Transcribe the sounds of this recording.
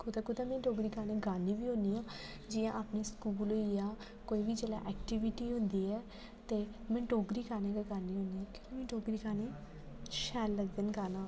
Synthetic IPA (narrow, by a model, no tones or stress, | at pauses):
kʊt̪akʊt̪aːmɛ̃ːʈoːɡɾiːkaːneːɡaːniːʋiːɦõːnd̪iãː | d͡ʒɪːjãːʔaːpneːskuːloːijaː | koːiːʋiːd͡ʒela̰ːʔɛːkʈiʋɪʈiːɦõnd̪iːɛː | t̪eː | mɛ̃ːʈoːɡɾiːkaːneːɡaɡaːnĩːɦõːnd̪iːɛkɪnːmɛ̃ːʈoːɡɾiːkaːneː | ʃɛːlːəɡd̪ənkaːnãː